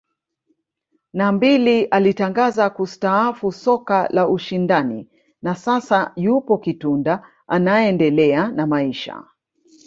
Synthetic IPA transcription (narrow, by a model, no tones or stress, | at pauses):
nambiliʔalitaŋɡazakustaafusɔkalaʔuʃindanḭ | nasasajupɔkitunda | anaɛndɛlɛanamaiʃa̰